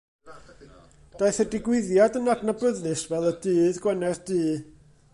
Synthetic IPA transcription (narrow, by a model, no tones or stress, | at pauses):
d̥aɨθədɪɡwɪðjadənadnabəðnɨsvɛlˠədɨːðɡwənɛrd̥ɨː